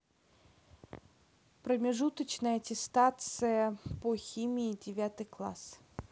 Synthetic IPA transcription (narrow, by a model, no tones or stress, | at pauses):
pɾəmʲɪʐut̪ət͡ɕnəjətʲɪst̪at̪sɨjəpoxʲimʲɪɪdʲɪvʲat̪ɨjklˠa̰s